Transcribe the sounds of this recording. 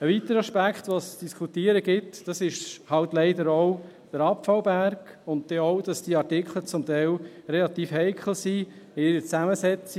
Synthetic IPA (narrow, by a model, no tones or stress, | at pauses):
əʋit̪əɾəɑʃpækχt̪ʋosd̥iskʰutiːəɾəɡɪtd̥ɑsɪʃhɑltlɛɪdəɾɔw | d̥əɾɑpfɑlwbæɾɡ̥ | ʊnt̚d̥ɛɔʊd̥ɑsd̥iəɑɾtɪkχlət͡sʊmtɛɪlrelɑt̪iːfhɛɪkχl̩si | ɪɪɾət͡sæməsɛt͡si